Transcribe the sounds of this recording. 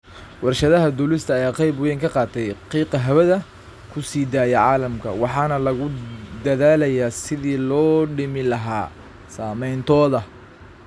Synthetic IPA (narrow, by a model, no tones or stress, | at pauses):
wɑrʃɐðɐɦɐd̪ʊlɪst̪ʰɐːjaːqɑjbʊjɛŋkʰɐqɑːt̪ʰɛjqiːqɐɦɐβɐðɐ | kʰʊsiːd̪aːjɛʕɑːlɐmkʰɐ̰wɑħɑːnɐlɐɣʊd̪ɐðaːlɐjaːsɪðiːlɔːɖɪmɪlɐɦa̰ː | saːmɛjnt̪ʰɔːðɐ